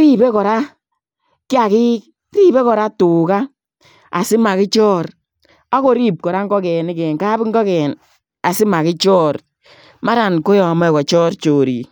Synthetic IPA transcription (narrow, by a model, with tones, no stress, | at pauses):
ɾi˦be˦kɔ˨ɾa˦ | kɪ˦a˨ki˦k | ɾi˦be˦kɔ˨ɾa˦tu˨ka˦ | a˨sɪ˦ma˨kɪ˦t͡ʃɔː˦ɾ | a˦ko˦ɾi˦p̚kɔ˨ɾa˦ŋkɔ˦kɛ˨ni˦kɛː˨nka˦bɪ˦ŋ˦ɡɔ˦kɛː˨n | a˨sɪ˦ma˨kɪ˦t͡ʃɔː˦ɾ | ma˦ɾa˨nko˦jɔ˨a˨mɛ˦˨kɔ˨t͡ʃɔː˦ɾt͡ʃoː˨ɾḭ˨